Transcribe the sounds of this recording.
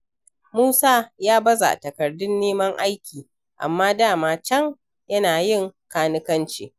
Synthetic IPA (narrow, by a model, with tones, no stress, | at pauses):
muː˦saː˦jaː˦bɐ˦za̰˨tɐ˨kɐ˨rdʊ˦nːeː˦mɐ˦ŋʔa˦jkʲiː˨ | ʔa̰˨mːaː˦daː˦˨maː˦t͡ʃɐ˦ŋ | jɐ˦naː˨jɪ˦ŋkaː˦nɪ˦kɐ˦nt͡ʃḛː˨